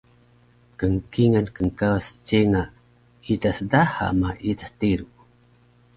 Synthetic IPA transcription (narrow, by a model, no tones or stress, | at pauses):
kəŋkiŋankəŋkawast͡ʃeŋa | itasdaha̰maʔitḁstiɾu